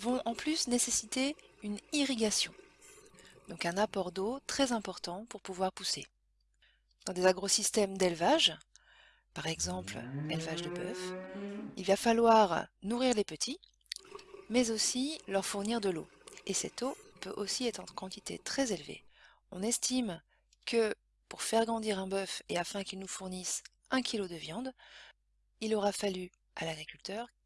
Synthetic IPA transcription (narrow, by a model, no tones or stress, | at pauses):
vɔ̃ʔɑ̃plysnesesit̪eyniʁiɡʲasjɔ̃ | d̪̥ɔ̃kɛ̃napɔʁd̪ot̪χɛzɛ̃pɔʁt̪ɑ̃puʁpuvwaʁpusḛ | d̪̥ɑ̃d̪ezaɡʁosist̪ɛmd̪ɛlvaʒ | paʁɛɡzɑ̃plɛlvaʒd̪əbœf | ilvafalwaʁnuʁiʁlepət̪ʰi | mɛzosilœʁfuʁniʁd̪əlo̰ | esɛt̪opø̰ʔosiɛt̪χɑ̃kɑ̃t̪it̪ʰḛt̪χɛzelvḛ | ɔ̃nɛst̪im | kʰə | puʁfɛʁɡʁɑ̃d̪iʁɛ̃bœfeafɛ̃kʲilnufuʁnis | ɛ̃kʲʰilod̪əvjɑ̃d̪ | ilɔʁafaly | ʔa̰laɡʁikʲylt̪œʁ